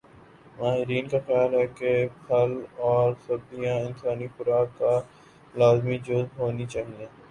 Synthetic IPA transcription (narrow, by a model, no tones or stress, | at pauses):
maːɦɪɾiːnkaxɪjaːlɦɛkepʰɐlɔːɾsʊɾd̪ijãɪnsaːnixʊɾaːkːa | laːzmid͡ʒozɦoːnit͡ʃaːɦiẽː